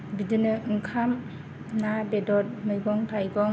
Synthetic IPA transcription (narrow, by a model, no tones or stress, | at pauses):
bidɯnɯɯŋkʰam | nabedɔt̚mɯjɡɔŋtʰajɡɔŋ